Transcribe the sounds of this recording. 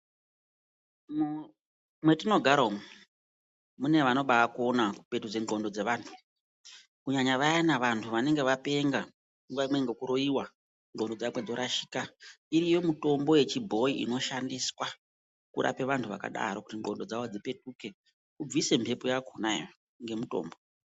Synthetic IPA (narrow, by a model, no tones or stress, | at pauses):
m | mwe̞tino̞ɡʱaɾom | mune̞ʋano̞ɓaːkuonaku̥pe̞tuʐeŋɡo̞ndo̞d͡ze̞ʋaːntʰu | kuɲaɲaʋajanaʋantʰuʋane̞ŋɡe̞ʋape̞ŋɡa | uŋɡaimweŋɡekuɾo̞iwa | ŋɡo̞ndo̞d͡zamwe̞d͡zo̞ɾaʃi̥ːka | iɾijo̞muto̞mbo̞je̞t͡ʃibʱo̞iʔḭno̞ʃandiswa | kuɾa̰pe̞ʋantʰuʋa̰ka̰ɗa̰ɾokutiŋɡo̞ndo̞d͡zawod͡zipe̞tuke̞ | kub͡vise̞mbʰʱe̞pojakona̰ | ŋɡe̞muto̰ːmbo̞